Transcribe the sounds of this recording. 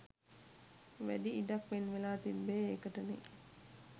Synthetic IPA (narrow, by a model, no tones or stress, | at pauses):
ʋæ̰ɖiːdɐkʋenʋelaːt̪imbeːekəʈəne